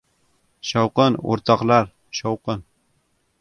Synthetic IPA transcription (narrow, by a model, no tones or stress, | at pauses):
ʃɑwqɨno̰ɾt̪ʰɑqlˠaɾ | ʃɑwqɨn